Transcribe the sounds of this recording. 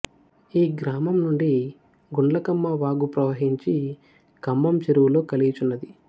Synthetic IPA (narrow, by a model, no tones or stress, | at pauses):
iːɡɾaːmɐmnuɳɖi | ɡuɳɖlɐkɐmːɐʋaːɡupɾɐʋɐɦiɲt͡ʃi | kɐmːɐmt͡ʃeɾuwulo̞ːkɐlijt͡ʃunːɐd̪i